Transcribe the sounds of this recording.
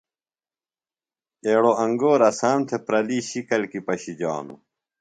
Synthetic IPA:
eːɽoʔɐŋɡoːɾɐsaːmt̪ʰepɾɐliːɕikɐlkipɐɕid͡ʑa̰ːnṵ

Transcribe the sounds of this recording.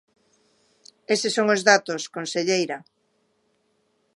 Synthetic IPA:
esɪsoŋozðat̪oskonseʎejɾa

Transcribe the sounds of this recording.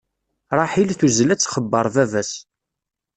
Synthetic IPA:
ɾˤɑħilθuzlæt͡sːχəbːəɾˤðævæs

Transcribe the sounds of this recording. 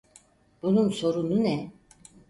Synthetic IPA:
b̥unumso̞ɾununɛ

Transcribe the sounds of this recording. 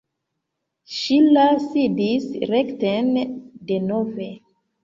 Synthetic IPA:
ʃilasidisɾektendenove

